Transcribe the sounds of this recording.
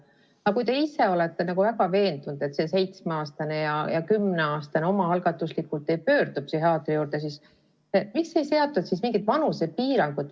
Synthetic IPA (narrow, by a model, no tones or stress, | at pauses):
ɑkujt̪e̞ise̞o̞let̪ːe̞nɑkuvæɡɑve̞ːnd̪und̪̥e̞t̪se̞se̞jt̪smeɑːst̪ɑnejɑjɑkymneɑːst̪ɑneo̞mɑɑlɡ̥ɑt̪ːˑuslikːult̪ːˑe̞jpø̞ːrd̪̥up̚siɦeɑːt̪ːˑɾijuːɾt̪e̞s̬is | emikse̞jse̞ot̪ːˑut̪sismiŋɡit̪vɑnusepiːɾɑŋɡ̥ut̪